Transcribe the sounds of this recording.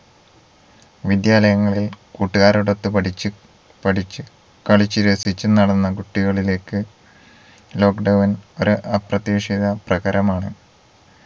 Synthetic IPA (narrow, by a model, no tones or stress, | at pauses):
ʋid̪jaːlɐjɐŋːɐɭilkuːʈːuɣaːɾuɽot̪ːɨpɐʈit͡ɕːɨ | pɐʈʰit͡ɕːɨ | kɐɭit͡ɕːɨɾesit͡ɕːɨnɐɽɐnːɐkuʈːiɣɐɭile̞ːkːɨ | lo̞ːkɖɐwɐno̞ɾuʔɐprɐt̪jeːʂiðɐprɐɣɐɾɐmaːɳɨ